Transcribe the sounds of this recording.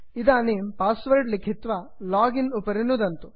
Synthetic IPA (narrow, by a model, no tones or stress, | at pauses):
id̪aːniːmpaːsʋɐɾɖlikʰːit̪ʋa | laːɡinupɐɾinud̪ɐnt̪u